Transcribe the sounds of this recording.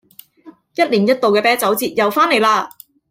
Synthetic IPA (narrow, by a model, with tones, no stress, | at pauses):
jɐ˥t̚liː˨˩njɐ˥t̚t̪o˨wkɛː˧pɛː˥t͡sɐ˨˥wt͡siː˨˧t̚jɐ˨˩wfaː˥ne˨˩jlaː˧